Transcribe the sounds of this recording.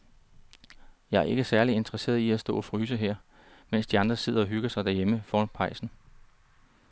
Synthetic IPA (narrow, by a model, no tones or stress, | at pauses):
jɑ̈æɐe̝ɡ̥əsæɐlie̝nd̥əʁɐse̝̰ːɐiæsd̥ɔ̰̽ːɒfʁyːs̬əɦeɐ̰ | men̰sd̥iɑ̈nd̥ʁɐse̝ð̞̰ˠɐɒ̽ɦyɡ̥ɐsɑ̈ɪd̥æɐjeməfɒːnpʰɑ̈ɪsn̩